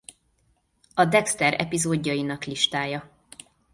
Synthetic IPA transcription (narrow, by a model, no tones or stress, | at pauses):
ɒd̪ɛkst̪ɛɾɛ̰pizoːɟːɒjinɒkliʃt̪aːjɒ